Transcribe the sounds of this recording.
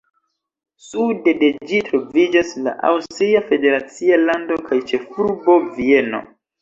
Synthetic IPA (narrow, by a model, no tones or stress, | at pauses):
sude̞de̞d͡ʒitɾo̞vid͡ʒasla̰ʔa̰wstɾiafe̞de̞ɾat͡sialando̞kʰajt͡ʃe̞fuɾbo̞vie̞no̞̰